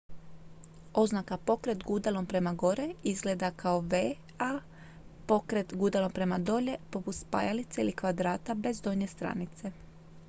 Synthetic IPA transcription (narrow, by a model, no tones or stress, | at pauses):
o̞znakapo̞kɾe̞t̪ɡud̪alˠo̞mpɾe̞maɡo̞ɾe̞izɡleːd̪akʰaoʋe | a | po̞kɾe̞t̪ɡud̪alo̞mpɾe̞mad̪o̞ʎe̞po̞put̪spa̰jalit̪seilikʋad̪ɾaːt̪abe̞zd̪o̞ɲest̪ɾa̰nit̪se̞